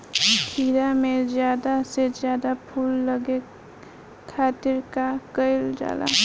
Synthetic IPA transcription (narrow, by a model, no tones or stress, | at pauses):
kʰiɾamed͡ʒjad̪ased͡ʒjad̪apʰulːəɡe | kʰːat̪iɾkakəɪld͡ʒa̰la̰